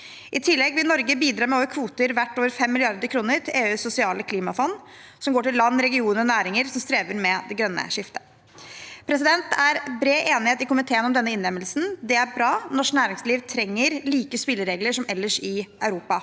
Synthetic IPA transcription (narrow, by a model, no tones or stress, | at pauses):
ʔɪt̪ʰɪlːɛɡʋɪlnɔɾɡəbiːd̪ɾɑːmɛoːʋəɾkʰʋuːt̪əɾʋæʈːoːʋəɾfɛmːɪlɪɑɾd̪əɾkʰɾuːnəɾt̪ʰɪʔeːʉːsːʊsɪɑːləkʰliːmɑfɔnː | sɔmɡoːʈɪllɑnːɾɛɡɪuːnəɾɔnæːɾɪŋəɾsɔmst̪ɾeːʋəɾmɛd̪ɛɡɾœnːə̰ʂɪft̪ʰə̥ | pʰɾɛsɪd̪ɛnt̪ʰæɾbɾeːʔeːnɪheːt̪ɪkʊmɪt̪ʰeːənɔmd̪ɛnːəɪnːɛmːəlsn̩d̪ɛæɾbɾɑːnɔʂknæːɾɪŋsliːʋt̪ʰɾɛŋːəɾliːkəspɪlːəɾeːɡləʂɔmɛlːəʂɪɑʉɾuːpɑ